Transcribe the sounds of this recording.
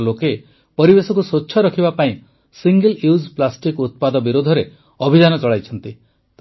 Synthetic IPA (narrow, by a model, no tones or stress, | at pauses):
loke | pɔɾibesɔkusotːʃʰɔɾɔkʰibapaĩ | siŋɡeljuzplasʈikut̪̚pad̪ɔbiɾod̪ʱɔɾe | ɔbʱid̪anɔt͡ʃɔɭajt͡ʃʰɔnt̪i | t̪